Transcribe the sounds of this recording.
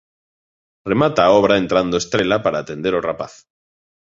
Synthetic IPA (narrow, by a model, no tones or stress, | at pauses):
remat̪aːoβ̞ɾaẽnt̪ɾand̪oest̪ɾelapaɾaːt̪ẽnd̪eɾorapaθ